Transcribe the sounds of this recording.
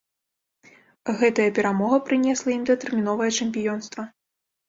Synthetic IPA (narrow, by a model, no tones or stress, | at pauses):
ɣɛt̪ɐjɐpʲɛɾamɔɣɐpɾɨnʲɛslˠɐimd̪ɐt̪ɛrmʲin̪ɔvɐjɐt͡ʂɛmʲpʲijɔnst̪vɐ